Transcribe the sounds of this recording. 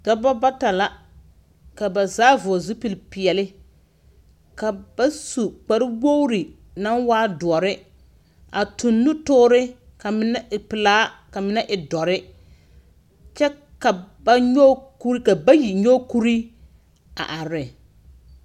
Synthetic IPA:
d̥ɔ˦bɔ˦ba˦ta˨la˦ | ka˨ba˨zaː˦vʊ˨ɔ˨zʊ˦pi˨lpɪ˨ɛ˨lɪ˦ | ka˨ba˦su˨k͡pa˨ɾɪ˦wo˦ʊ˦ɾi˨ | na˦waː˦dʊ˨ɔ˨ɾɪ˦ | a˨tu˨nːʊ˦tʊː˦ɾɪ˦ | ka˨mɪ˦na˦ɪ˨pɪ˨laː˦ka˨mɪ˦na˦ʔɪ˨dɔ˨ɾɪ˦ | t͡ʃɛ˦ | ka˨ba˦ɲo˦ku˦ɾi˦ka˨ba˦ji˨ɲo˦ku˦ɾi˦ | a̰˨ʔa˨ɾɪ˨

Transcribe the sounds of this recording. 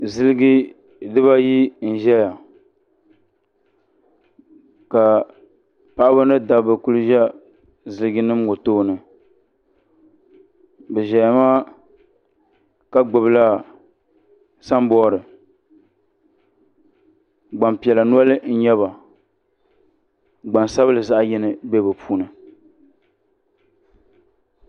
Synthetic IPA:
zɨ˦lɪ˦ɡi˦ | dɨ˦ba˦ji˦n̩˨ʒɛ˦ja˨ | ka˨ | pa˨˦ba˦nɨ˦da˨bɨ˨ku˦lɨ˦ʒɛ˦ | zɨ˨˦lɨ˦ɡi˦nɨ˦m˦ŋo˨toː˦˨nɨ˨ | bɛ˨ʒɛ˨ja˨ma˦ | ka˦ɡ͡bʊ˨bɨ˦la˦ | sa˦mbɔ˦˨ɾɨ˨ | ɡ͡ba˨mpi˨ɛ˨la˨nu˦ɔ˦lɨ˦n̩˦ɲɛ˦βa˨ | ɡ͡ba˨nsa˦βɨ˦lɨ˨za˦ʔjɪ˦nɨ˦bɛ˦bɨ˨pʰuː˦nɨ˨

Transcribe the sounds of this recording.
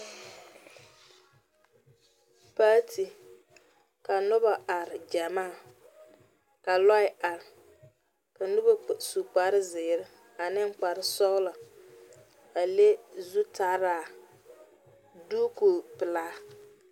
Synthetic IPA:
paː˦tʰi˨ | ka˨nʊ˦ba˨ʔa˨ɾɪ˨d͡ʒa˨maː˦˨ | ka˨lɔ˦ɪ˨a˨ɾɪ˨ | ka˨nʊ˦ba˨su˨k͡pa˨ɾɪ˦zɪː˨ɾɪ˦ | a˨nɪ˦ŋ˦k͡pa˨ɾɪ˦sɔ˦la˨ | a˨le˦zu˦tʰa˦ɾaː˦˨ | duː˦ko˨pɨ˨laː˦

